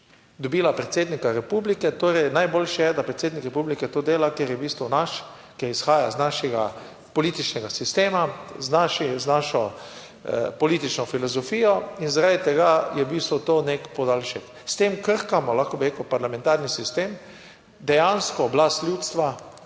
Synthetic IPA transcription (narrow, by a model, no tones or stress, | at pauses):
d̪ɔbiːlapɾɛt̪seːd̪nikaɾɛpublikɛt̪oːɾɛjnajbolʃjɛd̪apɾɛt̪seːd̪nikɾɛpublikɛt̪oːd̪eːlakjeɾjɛbiːst̪ʋɔnaʃ | keɾisxaːjaznaʃɛɡa | pɔliːt̪it͡ʃnɛɡasist̪eːmaznaʃiznaʃɔ | pɔliːt̪it͡ʃnɔfilɔzɔfiːjɔinzaɾad̪it̪ɛɡajɛbist̪ʋɔt̪oːnekpɔd̪alʃɛk | st̪eːmkəɾkamɔlaxkɔbiɾeːkupaɾlamɛ̃nt̪aɾnisist̪eːm | d̪ɛjanskɔblast̪lʲjuːt̪st̪ʋa